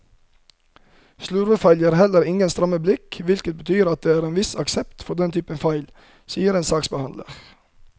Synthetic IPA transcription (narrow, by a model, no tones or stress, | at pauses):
slʉːɾəfɑɪljəɾhɛləɾɪŋənst̪ɾɑməblɪkʋɪlkət̪̚bət̪ʰyːɾɑt̪̚d̪eːæːɾeːnʋɪsɑksɛpt̪fɔd̪ɛnt̪ʰyːpənfɑɪl | siːəɾeːnsɑːksbəhɑnd̪lə̰ʁ